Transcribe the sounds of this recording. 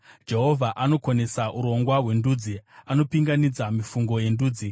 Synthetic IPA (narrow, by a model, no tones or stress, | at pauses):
d͡ʒe̞ɦo̞vʱaʔano̞kone̞saʔuɾo̞ŋɡwaɦwe̞nduːd͡ziano̞piŋɡanid͡zamifuŋɡo̞je̞nduːd͡zi